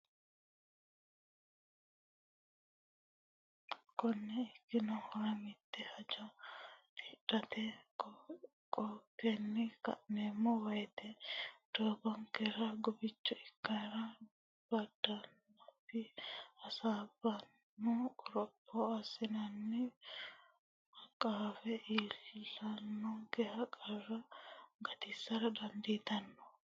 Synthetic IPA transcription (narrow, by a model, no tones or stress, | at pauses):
kɔnːɛɪkːɪnɐhɔɾɐmɪt̪ːɛhɐd͡ʒɐt̪ʰɪᶑɐt̪ʰɛ | kʼɔkːenːɪkɐ̰ʔnemːɔwɐjt̪ɛd̪̥oːbɐŋkɛɾɐɡɔbɪt͡ʃːɔɪkːɐɾɐ | b̥ɐd̪ːɐnː | ɐfɪɐsaːbɐnː | ɔʊɾɔpʼːɔɐsɪnɐnːɪ | hɐkʼaːfɛʔiːllːɐnːɔɡɛhɐkʼɐrɐɡɐt̪ɪsːɐɾɐd̪ɐnd̪iːt̪ɐnːɔ̥